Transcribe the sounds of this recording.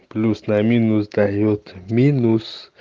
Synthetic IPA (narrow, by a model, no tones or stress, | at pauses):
plusnaminusd̪ajot̪minus